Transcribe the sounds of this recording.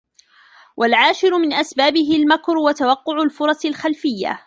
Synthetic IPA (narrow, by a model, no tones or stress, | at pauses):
wʔalʕaːʃɪɾʊmɪnʔasbaːbɪɦɪlmakɾˤwat̪awɑqːʊʕʊlfʊɾˤɑsɪlxalfɪjːa̰